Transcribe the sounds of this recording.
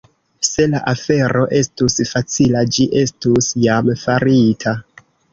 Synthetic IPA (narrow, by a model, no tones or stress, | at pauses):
se̞laʔafe̞ɾo̞ʔe̞stusfat͡silad͡ʒiʔe̞stusjamfaɾitʰa